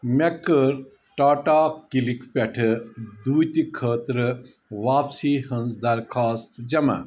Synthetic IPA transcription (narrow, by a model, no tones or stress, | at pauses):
mekəɾ | ʈaːʈaːkilikpʲɛʈʰɨd̪uːjt̪ikʰəːt̪ɾɨ | ʋaːpsiːhənsd̪ɐɾkʰaːst̪d͡ʒɐma̰